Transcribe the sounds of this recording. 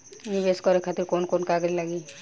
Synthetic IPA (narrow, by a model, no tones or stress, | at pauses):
nibeskɔɾekʰat̪iɾkonkonkaɡɾilaɡi